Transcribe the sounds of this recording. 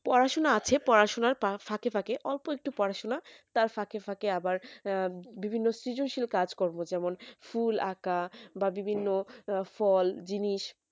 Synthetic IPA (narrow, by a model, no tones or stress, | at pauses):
pɔɾaʃonaat͡ɕʰepɔɾaʃonaɾpafakefʰakeʔɔlpoek̚ʈupɔɾaʃonat̪aɾfakʰefʰakeabaɾ | bibʱinːosɾid͡ʑonʃilkad͡ʑkɔɾmod͡ʑɛmonfulakababibʱinːofɔld͡ʑiniʃ